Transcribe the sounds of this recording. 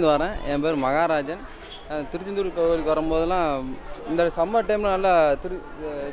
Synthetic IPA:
nd̪ɯʋɐɾɛ̃ːʔɛ̰nːɐbeːðɾimɐɣaːɾaːd͡ʒɐn | t̪ɪɾɯt͡ʃːɪnd̪uːɾkːɐɐɭikːʋɐɾɐmboːðɯlãːɪnd̪ɐsɐmːɐʈːɐɪmlɐ̃nɐlːɐt̪ɪɾɯ

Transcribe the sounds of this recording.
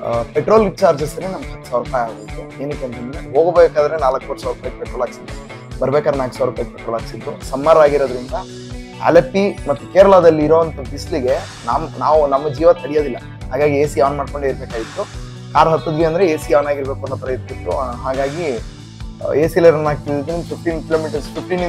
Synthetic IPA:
peʈɾoːlʋit͡ʃaːɾd͡ʒɐsɐnenɐmɐɡɦɐt̪ːu̥saːʋuɾɐp̪aːjaːɡbet̪ːueːnɐk̪ːent̪ɐnd̪eɦoːɡɐbeːkaːd̪ɐɾenaːlɐkːoːʈːsaːʋɾɐpaːk̚pɛʈɾolaːɡsid̪u | bɐɾɐbekad̪ɾenaːlkusaːʋɾɐpaːk̚peʈɾolaːɡsid̪ːusɐmːaːɾaːɡiɾod̪ɐɾind̪ɐ | ḛlepːimɐt̪ːukeːɾɐɭad̪ɐlːiːɾoːʋɐnt̪ɐbisliɡe̞ | namnaːʋunɐmːɐd͡ʒiːʋɐt̪ʰɐɽijod̪ilːɐ | ɦaːɡaːɡieːsiaːʋnmaːɖko̞ɳɖeiɾbeːkaːɡit̪ːu | kaːɾɦɐt̪ːud̪ʋiɐnd̪ɾeeːsijaːnaːɡiɾbeːkuɐnt̪ɐpɾɐjɐt̪ːsit̪ːṵɦaːɡaːɡi | eːsilɐɾɐnaːk̚t̪iid̪nipʰifʈiːnkiloːmiʈɐɾspʰifʈiːn

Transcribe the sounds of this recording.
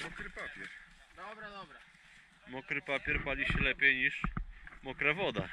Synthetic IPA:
mɔkɾɨpapʲjɛɾ | d̪ɔbɾɔbɾa | mɔkɾɘpapʲjɛɾpalʲiɕɛlɛpʲjejɲiʂmɔkɾavɔd̪a̰

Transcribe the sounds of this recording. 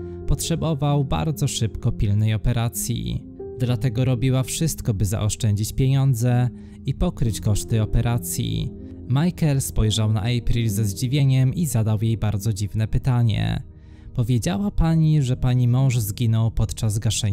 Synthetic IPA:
pɔtʂɛbɔvawba̰ɾd̪zɔʂɘpkɔpʲilnɛjɔpɛɾʔat̪sʲjḭ | d̪lat̪ɛɡɔɾɔbʲiwafʂɘst̪kɔbɘza̰ʔɔʂt͡ʂɛɲd͡ʑit͡ɕpʲjeɲɔnd̪zɛ | ipɔkɾɘt͡ɕkɔʂt̪ɘɔpɛɾʔat̪sʲjḭ | majkɛlspɔjʐawna̰ʔɛjpɾʲilzɛzd͡ʑivʲjeɲɛmizad̪awjejbaɾd̪zɔd͡ʑivnɛpɘt̪aɲɛ̰ | pɔvʲjed͡ʑawapaɲiʐɛpaɲimɔ̃w̃ʐzɡʲinɔwpɔt̪t͡ʂazɡaʂɛɲ

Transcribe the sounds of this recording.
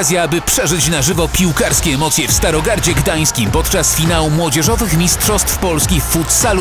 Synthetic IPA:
zʲjaabɘpʂɛʐɘt͡ɕnaʐɘvɔpʲiwkaɾskʲɛɛmɔt̪sʲjɛfst̪aɾɔɡaɾd͡ʑɛɡd̪aj̃skʲimpɔt̪t͡ʂasfʲinawumwɔd͡ʑɛʐɔvɘxmʲistʂɔst̪fpɔlskʲifut̪sal

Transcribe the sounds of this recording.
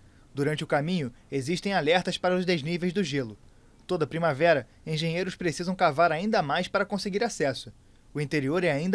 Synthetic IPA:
d̪uɾɐ̃nt͡ʃɪʊkamĩɲʊeziʃt̪ẽj̃alɛɾt̪ɐspaɾɐʊzd̪eznivejzd̪ʊʒelʊ | t̪od̪ɐpɾimavɛɾɐ | ẽʒẽɲejɾʊspɾesizɐ̃w̃kavaɾaĩnd̪ɐmajspaɾɐkõseɡiɾasɛsʊ | ʊĩnt̪eɾioɾɛaĩnd̪

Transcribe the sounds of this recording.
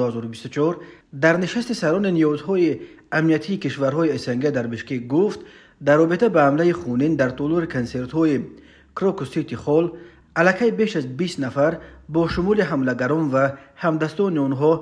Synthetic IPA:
hazɔɾubist̪ut͡ʃʰɔɾ | d̪aɾniʃast̪isaɾɔniniɔzɦɔiamniat̪ʰiːkiʃvaɾɦɔiesaŋɡad̪aɾbiʃkekɡuft̪ | d̪aɾrːɔbit̪ʰabahamlaiχunind̪aɾt̪ʰɔlɔɾikʰanse̞ɾt̪hɔi | kɾɔkusit̪ʰiχɔl | alækʰajbe̞ʃazbist̪nafaɾbɔʃumuliɦamlaɡaɾɔnvahamd̪ast̪ɔniɔnɦɔ

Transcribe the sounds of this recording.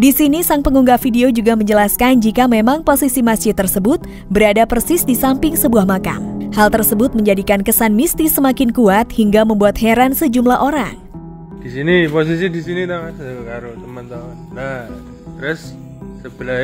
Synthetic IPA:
disinisaŋpəŋuŋɡafideod͡ʒuɡaməɲd͡ʒəlaskand͡ʒikamemaŋposisimasd͡ʒɪt̪ːərsəbʊt̪̚ | bəɾadapərsɪsdisampɪŋsəbuahmaka̰nhalt̪ərsəbʊt̪̚məɲd͡ʒadikankəsanmist̪isəmakɪnkuat̪̚hiŋɡaməmbuat̪̚heɾansəd͡ʒumlaʔoɾaŋ | d̥isinipos̬is̬idisinit̪oaskaɾut̪əmant̪aʊnːa | ɾɛsː | əbəla

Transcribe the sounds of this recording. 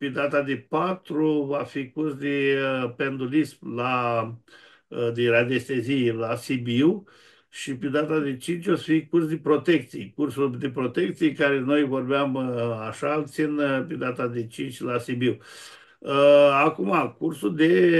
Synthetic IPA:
ped̪at̪ad̪epat̪ɾuvafikursd̪epend̪ulispla | d̪eɾad̪est̪ezijelasibiw | ʃiped̪at̪ad̪e̞t͡ʃint͡ʃʲvafikurs̬d̪epɾo̞t̪ek̚t̪sijekursuld̪epɾo̞t̪ekt̪sijekaɾeno̞jvo̞rbeamaʃalt̪sinped̪at̪ad̪et͡ʃint͡ʃʲlasibiw | əakumakursuld̪e

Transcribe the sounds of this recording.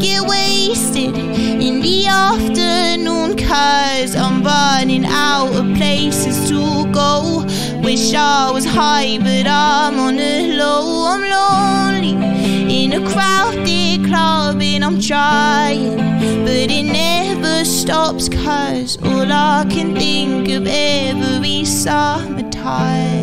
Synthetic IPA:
ɡ̥ɛʔweɪstɪd | ɪ̃nðiæftə˞ | nũnkʰɜ | zãɪ̃mbɜ˞nɪ̃ŋaʊɾə̥pʰl̥eɪsɨz̥tʰə | ɡoʊ | wəʃɑwʌz̥haɪbʌɾãmə̃nɨ | loʊãɪ̃mloʊ | nlɪ | ɪ̃nɨkʰɹ̥aʊfdɪ | kʰl̥ʌ | bɪ̃nãɪ̃mtʰɹ̥aɪɪ̃ŋ | b̥ʌɾɪtⁿnɛ | və˞stɔpskʰʌ | z̥ɔlakʰɨ̃nθɪ̃ŋkʌvɛvəɹisʌmɨtʰaɪə

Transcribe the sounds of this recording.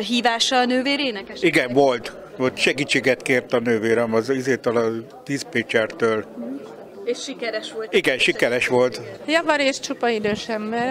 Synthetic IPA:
ɦiːvaːʃɒnøːveːɾeːnɛkɛʃiɡɛɱʋo̞lt̪ | ʋolt̪ʃɛɡiːt͡ʃːeːɡɛt̪keːrt̪ɒnøːveːɾɛmɒzizeːt̪ɛlɒ | t̪iːzpeːt͡ʃɛrt̪øːl | eʃʃikɛɾɛʃʋoliɡɛnʃikɛɾɛʃʋo̞lt̪jɒvɒɾeːʃt͡ʃupɒid̪øːʃɛmbɛr

